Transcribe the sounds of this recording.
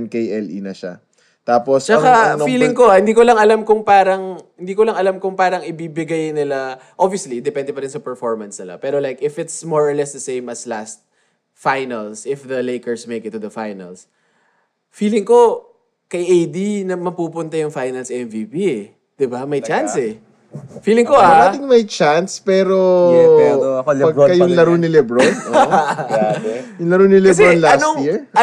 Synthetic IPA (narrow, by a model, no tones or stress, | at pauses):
nkejɛlinɐʃa̰ | t̪aːpost͡ʃɐkafiːlɪŋkohɪnd̪iːkolɐŋɐlamkʊŋpaːɾɐŋhɪnd̪iːkolɐŋɐlamkʊŋpaːɾɐŋɪbibɪɡajnɪla | ʔobviʊslid̪ɛpɛnd̪ɛpɐɾɪnsɐpɛɹfɔɹmɐnsnɪla̰pɛːɾolajkɪfɪt̪smɔɹɐlɛsd̪ɐsẽjmɐslast̪̚ | fajnɐlsɪfðɐlejkɛɹsmejkɪt̪ːuðɐfajnɐ̰ls | fiːlɪŋko̞ | kɐjʔejd̪inɐmɐpuːpʊnt̪ɐjʊŋfajnɐlsɛmviːpiɛ | d̪̥ɪbamɐjt͡ʃansɛ | fiːlɪŋkoad̪aːt̪ɪŋmɐjt͡ʃanspɛːɾo | pɐɡkɐjʊŋlɐɾonɪlɛbɹono | jʊŋlɐɾonɪlɛbɾonlaɐnstojiɹ